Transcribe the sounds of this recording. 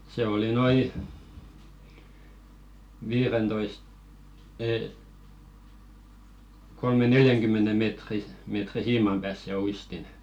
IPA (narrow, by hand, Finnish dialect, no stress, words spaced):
se oli noi ʋiːrentoist̆ eː kolme neljæŋkymːene meˑtri meˑtri siːmɑm pæːs se uistin